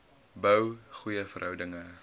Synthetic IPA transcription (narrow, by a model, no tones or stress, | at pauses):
bəwχujəfərɦœwdəŋə